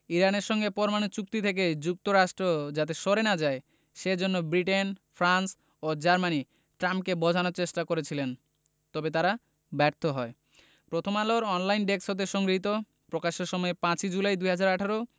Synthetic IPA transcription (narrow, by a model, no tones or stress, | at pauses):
iɾaneɾʃɔŋɡepɔɾomanot͡ɕuk̚t̪it̪ʰek̬ed͡ʑuk̚t̪oɾaʃʈɾod͡ʑat̪̬eʃoɾenad͡ʑae | ʃeɾd͡ʑonːobɾiʈenfʰɾans | od͡ʑaɾmani | ʈɾampkebɔd͡ʑʱanoɾt͡ɕeʃʈakoɾet͡ɕʰilen | t̪ɔbet̪aɾa | bɛɾt̪ʰoɦɔe | pɾot̪ʰomaloɾɔnlajnɖeksot̪̬eʃɔŋɡɾɦit̪̬o | pɾokaʃeɾʃɔmɔepãt͡ɕid͡ʑulajd̪ujɦad͡ʑaɾaʈʰaɾo